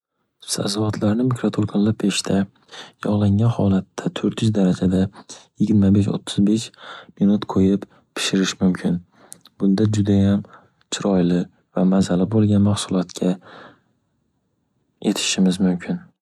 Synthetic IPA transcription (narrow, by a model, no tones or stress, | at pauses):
sa̰zɒvɒt̪ʰlaɾnɪmɪkɾot̪ʰoɾkʰalˠːapʰeʃt̪ʰa | jɒʁlˠaŋʲanhɒlˠat̪ʰːat̪ʰɵɾt̪jɪzd̪aɾad͡ʒad̪ajɪɡʲɪɾmabeʃo̰t̪ʰːʊzbeʃminʊt̪qʰojɪp | pʰɪ̥ʃɪɾɪʃmʊmkʲʰɪn | b̥ʊnd̪ad͡ʒʊd̪ajam | t͡ʃʰɪɾɒjlɪ | vamazalɪbolˠɡʲanmaχsʊlˠɒt̪kʲʰa | je̞t̪ʰɪ̥ʃɪmɪzmʊmkʲʰɪn